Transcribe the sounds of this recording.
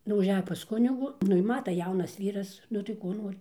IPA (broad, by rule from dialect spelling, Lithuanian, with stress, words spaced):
nʊ ʊʒʲˈæːjoː pɐs ˈkʊnʲɪɡuː ˈnʊ ɪ ˈmɑːtɐ ˈjɛʊnɐs ˈʋʲiːrɐs ˈnʊ tɐɪ ˈkoː ˈnoːrʲɪ